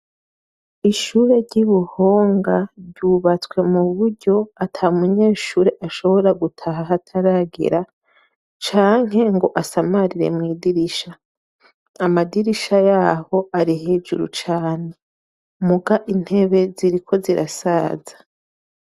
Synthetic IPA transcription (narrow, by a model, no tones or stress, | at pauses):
iʃuːɾe̞ɾɟiβuhoːŋɡaɾɟuːβat͡swe̞muβuɾɟo̞atʰaumuɲe̞ːʃuːɾeʔaʃo̞βo̞ɾaɡutʰaɦaɦatʰaɾaɡḛɾa | t͡ʃaːŋ̥ɦe̞ŋɡo̞ʔasamaɾiɾe̞̰mŋiːdiɾiʃaː | madiɾiʃajaːho̞ʔaɾihe̞ːd͡ʒṵɾṵt͡ʃaːne̞ | muɡaʔin̥he̞βe̞ziɾikʰo̞ziɾʔa̰saːzḁ